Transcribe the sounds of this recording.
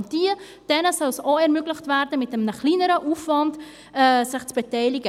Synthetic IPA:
nd̥iː | d̥ɛnəsɔlsoɛɾmʏɡlɪχtvæɾdəmɪtəmnəχliːnəɾəʔuːfvɑnd | ɛːsɪχt͡sb̥etɛɪlɪɡə

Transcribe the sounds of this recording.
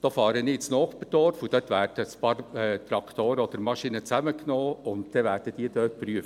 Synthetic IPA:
d̥oːfɑːɾənit͡snɔːχpəd̥ɔɾfud̥̪œːtʋæːrd̥əəspɑːrɛt̪ɾɑkt̪oːɾəɔd̪əɾmɑʃinət͡sæməknoːʊntt̪ɛʋæːrd̥əd̪̥iːd̥øːt̚pɾyəft

